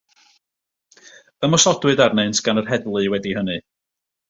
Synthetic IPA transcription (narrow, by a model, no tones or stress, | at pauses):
əmɔsɔdwɨdarneɨntʰɡ̥anərɦɛdlˠɨwɛdiɦənɨ